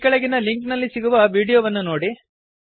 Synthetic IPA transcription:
kɐɭɐɡinɐliŋknɐlːisiɡuʋɐʋiːɽijoːʋɐnːunoːɽi

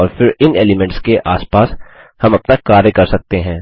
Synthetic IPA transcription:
ɔːɾfɪɾɪneːlimɛ̃ɳʈskeʔaːspaːs | hɐmɐpnakaːɾjəkɐɾsɐk̚t̪eɦɛ̃ː

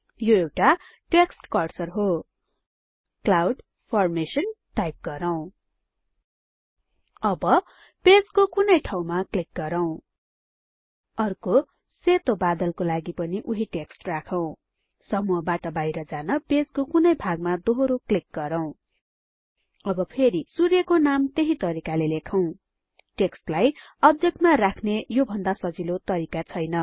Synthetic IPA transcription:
joewʈa | ʈeksʈkʌrsʌrɦo | klawɖ | pʰʌrmesʌnʈajp̚ɡʌɾʌw̃ | ʌbʌ | ped͡zkokunʌjʈʰaw̃maklik̚ɡʌɾʌw̃ | ʌrko | set̪obad̪ʌlkolaɡipʌniʔuɦiʈeksʈrakʰʌw̃ | sʌmuʌbaʈʌbajɾʌd͡zanʌped͡zkokunʌjbʱaɡmad̪oɦɾoklik̚ɡʌɾʌw̃ | ʌbʌpʰeɾisurjʌkonamt̪eɦit̪ʌɾikalelekʰʌw̃ | ʈeksʈlajʌb̚d͡zek̚ʈmarakʰnejobʱʌnd̪asʌd͡zilot̪ʌɾikat͡sʰʌjnʌ

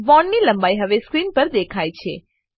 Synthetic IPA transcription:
ʋɔɳːilə̃mbajɦəʋeskɾinpəɾd̪ekʰajt͡ʃʰe

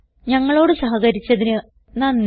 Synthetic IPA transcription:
ɲɐŋːɐɭo̞ːɽɨsɐɦɐɣɐɾit͡ɕːɐðinɨ | nɐːnː

